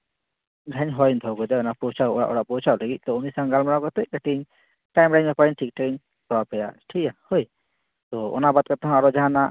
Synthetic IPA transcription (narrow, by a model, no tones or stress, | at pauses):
ɡʱaɲɦɔjnd̪ʱɔkɔjd̪ɛɔnapɔɾt͡ʃaʔɔɽa̰ʔɔɽaʔpɔɾt͡ʃʰaləɡit̪̚ˀt̪ɔumisaŋɡalmaɽakɔt̪ɛc̚kaʈiɲ | ʈajmɖaɲmɛpaɾiɲʈʰik̚ʈʰakiɲ | pɔɾapɛja̰ʈʰikahɔj | t̪ɔɔ̰nabad̪̚kɔt̪ɔɦãaɾɔd͡ʒaɦãna